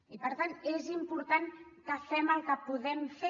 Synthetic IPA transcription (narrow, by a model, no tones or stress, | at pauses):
ipəɾt̪anezimpuɾt̪ankəfɛməlˠkəpuðɛmfe